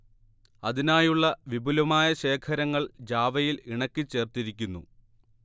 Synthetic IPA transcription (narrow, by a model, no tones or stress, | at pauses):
ɐðinaːjuɭːɐʋibʱulɐmaːjɐɕe̞ːkʰɐɾɐŋːɐɭd͡ʑaːʋɐjiliɳɐkʲːɨt͡ɕːe̞ːrt̪iɾikʲːunːṵ